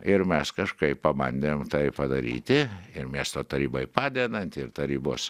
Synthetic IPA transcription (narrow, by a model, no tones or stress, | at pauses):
ɪɾmʲɛskɐʃkɐɪppɐbɐnʲd̪ʲeːmt̪ɐɪpɐd̪ɐɾʲḭːt̪ʲɪɪɾmʲiɛst̪oːt̪ɐɾʲiːbɐɪpɑːd̪ʲeːd̪ɐnʲt̪ʲɪɾt̪ɐɾʲiːbʊs